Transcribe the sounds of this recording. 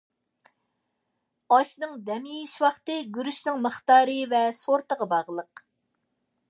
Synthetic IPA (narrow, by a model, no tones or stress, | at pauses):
ɑʃnɨŋd̪ɛmijiʃwɑχt̪ɨɡʲyɾyʃnɪŋməχt̪ɑːɾɨvɛsoɾt̪əʁɑbɑʁlˠəq